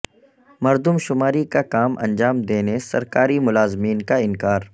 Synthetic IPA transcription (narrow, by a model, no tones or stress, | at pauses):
mɐɾd̪ʊmʃʊmaːɾikakaːmʔɐ̰̃nd͡ʒaːmd̪eːnesɐ̰ɾkaːɾimʊlaːzmiːnkaɪ̃nkaːɾ